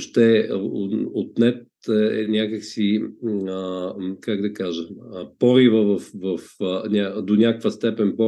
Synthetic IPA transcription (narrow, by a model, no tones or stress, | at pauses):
ʃt̪ɛ | ot̪nɛt̪ | ɛɛnʲakəksiəkaɡd̪ɐkaʒəməpɔɾivəvɐfvɐfənʲad̪onʲakkvəst̪ɛpɛnpɔ